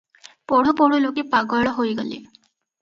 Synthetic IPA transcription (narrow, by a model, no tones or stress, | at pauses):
poɽ̤upoɽulokipaɡɔɭɔɦojɡolḭ